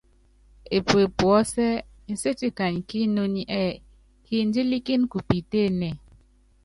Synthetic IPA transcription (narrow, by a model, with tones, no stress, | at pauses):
e˨pwe˨pwɔ˨˦sɛ˦ | n̩˨se˦ti˦ka˨ɲki˦no˦ni˦ʔɛ˦˨ | ki˦n̩˦d͡ʒi˦li˦ki˦nku˨pi˨te˦˨nɛ˨